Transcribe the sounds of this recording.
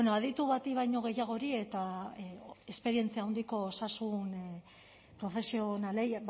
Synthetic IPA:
enoaðit̪uβat̪iβajɲo̞ɣ̞e̞jaɣ̞o̞ɾie̞t̪a | espe̞ɾie̞nt͡siawnd̪iko̞ːsasun | pɾo̞fe̞sio̞nale̞

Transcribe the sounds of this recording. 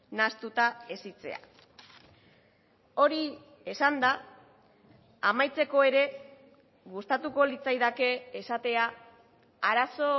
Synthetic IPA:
nast̪ut̪aesit͡se̞̰a̰ | o̞ɾi | esand̪a | amajt͡se̞ko̞e̞ɾe̞ | ɣust̪at̪uko̞lit͡sajðake̞ːsat̪e̞a | aɾaso̞

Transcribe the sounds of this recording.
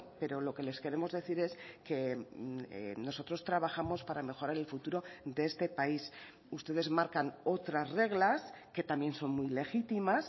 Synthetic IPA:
pe̞ɾo̞lo̞ke̞le̞skeɾe̞mo̞zðe̞θiɾe̞ske̞̰ | no̞so̞t̪ɾo̞st̪ɾaβaxamo̞spaɾame̞xo̞ɾaɾe̞lfut̪uɾo̞d̪e̞est̪e̞pais | ust̪e̞ð̞e̞zmaɾkano̞t̪ɾasre̞ɣlaske̞t̪ambje̞nso̞nmujle̞xit̪imas

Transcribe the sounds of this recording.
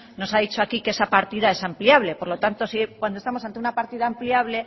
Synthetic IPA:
no̞saðit͡ʃoakikeesapaɾt̪iðae̞sampljaβle̞po̞ɾlo̞t̪ant̪o̞sikwand̪ost̪amosant̪eunapaɾt̪iðaːmpliaβle̞

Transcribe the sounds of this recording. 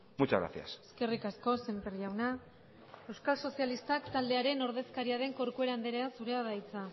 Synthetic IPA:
mut͡ʃa̰ɣɾa̰θja̰se̞ske̞rikasko̞se̞mpeɾʝawna | e̞wskalso̞sialist̪akt̪ald̪e̞aɾe̞no̞ɾðe̞skaɾiaðe̞ŋko̞ɾkue̞ɾand̪eɾeasuɾeaðajt͡sa

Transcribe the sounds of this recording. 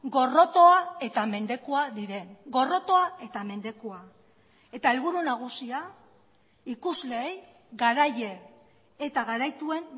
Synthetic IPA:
ɡo̞ro̞t̪o̞ae̞t̪ame̞nd̪e̞koaðiɾe̞ŋɡo̞ro̞t̪o̞ae̞t̪ame̞nd̪e̞koa | e̞t̪aelβuɾunaɣ̞usia | ikuzle̞ːj | ɣaɾaje | et̪aɣaɾajt̪ue̞n

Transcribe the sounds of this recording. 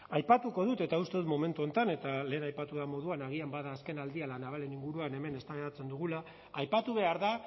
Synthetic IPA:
ajpat̪uko̞ð̞ut̪e̞t̪aust̪e̞ðut̪mo̞me̞nt̪uo̞nt̪ane̞t̪ale̞ːnajpat̪uðamo̞ð̞uanaɣ̞iambaðaːske̞nald̪ialanaβ̞ale̞niŋɡuɾuane̞me̞ne̞st̪aɣeɾat͡se̞nd̪uɣ̞ulaː | jpat̪uβ̞e̞aɾða

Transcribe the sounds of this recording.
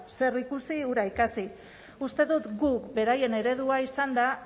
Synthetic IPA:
se̞rikusiuɾaikasi | ust̪e̞ðut̪ɡukbe̞ɾaje̞ne̞ɾe̞ð̞uaisand̪a

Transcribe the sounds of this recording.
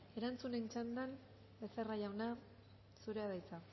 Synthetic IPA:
e̞ɾant͡sunent͡ʃand̪an | beseraʝawna | suɾe̞aðajt͡sa

